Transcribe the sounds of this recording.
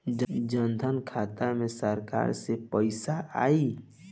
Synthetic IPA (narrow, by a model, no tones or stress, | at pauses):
d͡ʒd͡ʒənd̪ʱənkʰaːt̪amẽsəɾka̰ːɾsepəɪsaa̰ːi